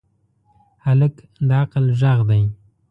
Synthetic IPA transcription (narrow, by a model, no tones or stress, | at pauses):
halək | d̪əaqəlʒaɣd̪aj